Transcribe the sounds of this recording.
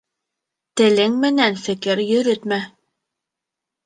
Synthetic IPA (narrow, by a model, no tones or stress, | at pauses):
t̪ɘ̆lɘŋmɘ̆nænfɘ̆kɘɾjɵ̆ɾɵt̪mæ